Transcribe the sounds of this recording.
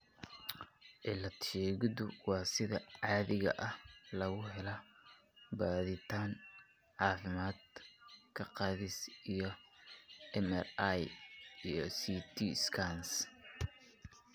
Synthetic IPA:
ʔɪlɐt̪ʃɛːɣɪðʊwɑːsɪðɐʕɑːðɪɣɐ̰ʔɐhlɐɣʊɦɛlɐ | baːðɪt̪ʰaːŋ | ʕɑːfɪmaːd̪̚kʰɐqɑːðɪsijɞ | ɛmɛrajijɔsiːt̪ʰiskʰans

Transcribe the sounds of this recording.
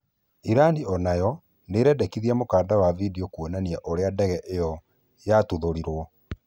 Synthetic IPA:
iɾaniɔnajɔ | neɾɛdɛkiðiamokaːndawavidiokuonaniaʔoɾeadɛɣɛʔejɔ | jatuðoɾiɾwɔ

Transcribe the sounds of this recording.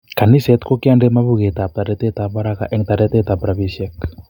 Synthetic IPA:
kanisɛt̪kokiandemaβuɣet̪ap̚t̪aɾɛt̪ɛt̪aβaɾaka̰ʔɛŋt̪aɾɛt̪ɛt̪apɾaβisɛk

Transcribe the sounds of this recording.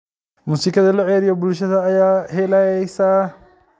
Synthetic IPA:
muːsiːkʰɐðɐlʊʕɛːɾɪjɔbʊlʃɐðɐːjaːhɛlajɛjsaː

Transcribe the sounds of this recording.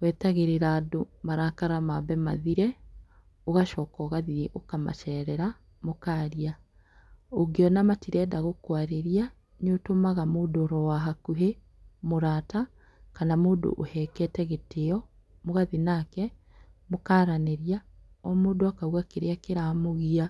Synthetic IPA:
wɛtaɣeɾeɾaːdomaɾakaɾamaβɛma̰ðiɾɛ | oɣaʃɔːkɔɣaðiʔokama̰ʃɛːɾɛɾa | mokaːɾia | oɡeɔnamatiɾɛːdaɣokwaɾeɾia | ɲotomaɣamoːdoːɾɔwaɦakuɦe | moɾaːta | kanamoːdo̰ʔo̰hɛkɛtɛɣeteɔ | moɣaðinakɛ | mokaːɾaneɾja | ɔmoːdoakawakeɾeakeɾamoɣia

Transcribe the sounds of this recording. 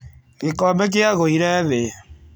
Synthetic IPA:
ɣekɔmek̬eaɣoiɾɛðe

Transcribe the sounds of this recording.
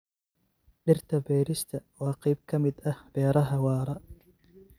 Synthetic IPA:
ɖɪrt̪ʰɐbɛːɾɪst̪ʰɐwɑːqijb̚kʰɐmɪd̪ɐhb̥ɛːɾɐɦɐwɑːɾɐ

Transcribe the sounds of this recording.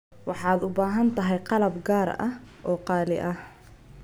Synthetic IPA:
wɑħɑːd̪ʊbaːɦɐnt̪ʰɐɦɛjqɑlɐbɡaːɾɐ̰hʔɔːqɑːlɪ̰ʔɐh

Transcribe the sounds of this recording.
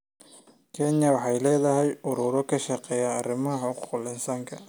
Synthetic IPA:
kʰɛnjɐwɑħɑjlɛːðɐɦɛjʊɾʊɾɔkʰɐʃɐqɛːjaːrɪmɐɦɐħɔːqʊqlɪnsaːŋkʰɐ

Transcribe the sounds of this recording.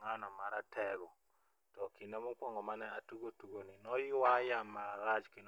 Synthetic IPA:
ŋanɔmaɾatʰɛɡɔ | tɔkinɛmukwɔŋɡɔmanɛatuɡotuɡoninɔjwajamaɾat͡ʃkin

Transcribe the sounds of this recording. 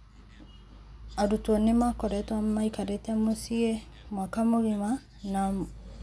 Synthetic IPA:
aɾutwɔnemakɔɾɛtwamaikaɾetɛmosie | mwakamoɣima | na

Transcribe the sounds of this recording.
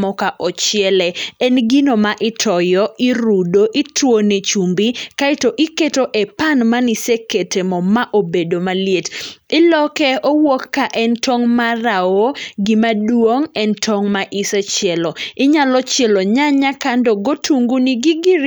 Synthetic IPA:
mɔkaʔɔt͡ʃɪɛlɛɛnɡinomaʔɪtʰɔjɔiɾudoʔitwonet͡ʃumbikaitoʔɪketoʔɛpanmaniseketemɔmaʔobedomaljetɪlɔkɛowokːaʔɛntɔŋmarawoɡɪmadwoŋɛntʰɔŋmaʔisɛt͡ʃjɛlɔɪɲalɔt͡ʃɪɛloɲaɲakandɔɡotʰuŋɡuniɡɪɡɪɾ

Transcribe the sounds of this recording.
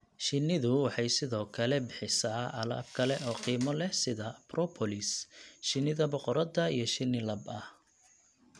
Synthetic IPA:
ʃɪnːɪðʊwɑħɑjsɪðɔːkʰɐlɛbɪħɪsaːʔɐlɐ̰ːb̚kʰɐlɛʔɔːqiːmɔlɛsɪðɐprɔpʰɔlɪsʃɪnːɪðɐbɔqɔɾɐðɐijɞʃɪnːɪlɐbɐh

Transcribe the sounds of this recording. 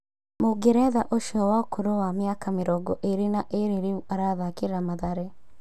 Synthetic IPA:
moɡeɾɛðaʔoʃɔwakoɾowamjakameɾɔɡɔʔeɾinaʔeɾeɾeuaɾaðakeɾɾamaðaɾe

